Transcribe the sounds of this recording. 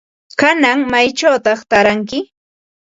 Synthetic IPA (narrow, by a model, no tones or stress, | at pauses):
kanaŋmajt͡ʃawt̪ɑχt̪aɾaŋkɪ